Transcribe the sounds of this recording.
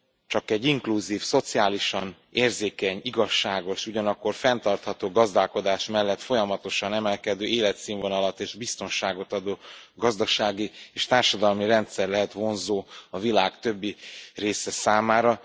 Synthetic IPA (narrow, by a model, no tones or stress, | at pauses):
t͡ʃɒkɛɟːiŋkluziːfso̞t̪siaːliʃɒn | eːrzeːkɛɲiɡɒʃːaːɡo̞ʃuɟɒnɒkːo̞rfɛnt̪ɒrt̪hɒt̪oːɡɒzd̪aːlko̞d̪aːʃmɛlːɛt̪fo̞jɒmɒt̪o̞ʃɒnɛmɛlkɛd̪øːeːlɛt̪siːɱvonɒlɒt̪ːeːʒbist̪o̞nʃaːɡo̞t̪ɒd̪oːɡɒzd̪ɒʃaːɡieːʃt̪aːrʃɒd̪ɒlmirɛnt̪sɛrlɛɦɛt̪ʋo̞nzoːɒvilaːkt̪ø̞bːireːsɛsaːmaːɾɒ